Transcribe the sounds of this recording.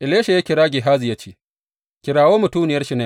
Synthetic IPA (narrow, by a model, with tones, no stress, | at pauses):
ʔɪ˨leː˦ʃe˨jaː˦kʲɪ˨ɾaː˦ɡʲeː˨ɦaː˦zɪ˨jɐ˦t͡ʃiː˦ | kʲɪ˨ɾaː˨woː˦mʊ˨tuː˦nɪ˨jɐ˦rʃɪ˨ne˦